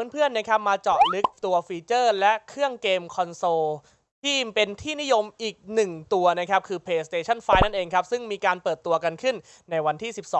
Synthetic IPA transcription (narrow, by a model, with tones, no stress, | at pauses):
npʰɯ˥˩ənːa˥kʰa˦˥p̚maː˧t͡ɕɔː˨˩t̚lɯ˦˥k̚t̪u˧ɐfiː˧t͡ɕɤː˥˩lɛ˦˥ʔkʰɾɯ˥˩əŋkeː˧mkʰɔ˧nsoː˧ | t̪ʰiː˥˩pe˧nt̪ʰiː˥˩ni˦˥jo˧mʔiː˨˩k̚nɯ˨˩ŋt̪u˧ɐna˦˥kʰa˦˥p̚kʰɯː˧pʰleː˦˩st̪eː˧t͡ɕʰa˥˩nfaː˦˥jna˥˩nʔeː˧ŋkʰa˦˥p̚sɯ˥˩ŋmiː˧kaː˧npɤː˨˩t̪ːu˧ɐka˧nkʰɯ˥˩nː | a˧jwa˧nt̪ʰiː˥˩si˨˩p̚sɔ̰ː˨˦